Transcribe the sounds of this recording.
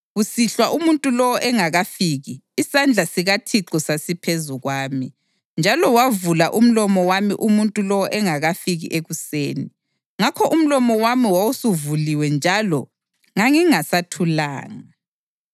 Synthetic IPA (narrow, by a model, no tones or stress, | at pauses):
ɣusiɬwaʔumuntʼulɔwɔʔɛŋaɣafiːɣiːsand͡ɮʱasiɣatʰiǁɔsasipʰezuɣwaːmi | nd͡ʒʱalɔwavulaʔum̩lɔmɔwamḭʔumuntʼulɔwɔʔɛŋaɣafiɣḭʔeɣuseːni | ŋakʰɔʔum̩lɔmɔwamiwawusuvuliwɛnd͡ʒʱalɔ | ŋaŋiŋasatʰula̰ːŋa